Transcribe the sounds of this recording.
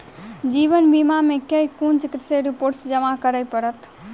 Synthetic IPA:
d͡ʒibənbimamekejkunt͡ʃikit̪seɾipoɾʈsd͡ʒəmakəɾəjpəɾət̪

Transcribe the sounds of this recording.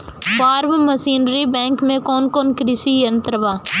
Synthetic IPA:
paːɾʋməsiːnɾibɛ̃ːŋkmẽkoːnkoːnkɾɪsiːjənt̪ɾəʋaː

